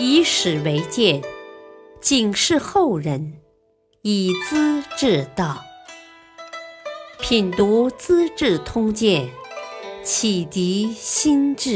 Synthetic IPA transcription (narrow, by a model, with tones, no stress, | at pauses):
i˧˥ʂɻ̩˨˩we˧˥ɪt͡ɕjɛ˥˩n | t͡ɕi˨˩ŋʂɻ̩˥˧xo˥˩ʊɻə˧˥n | i˨˩t͡sɹ̩˥ʈ͡ʂɻ̩˥˧˩t̪ɑ˥˩ʊ | pʰi˨˩nt̪u˧˥t͡sɹ̩˥ʈ͡ʂɻ̩˥˩t̪ʰʊ˥ŋt͡ɕjɛ˥˩n | t͡ɕʰi˨˩t̪i˧˥ɕi˥nʈ͡ʂɻ̩˥˩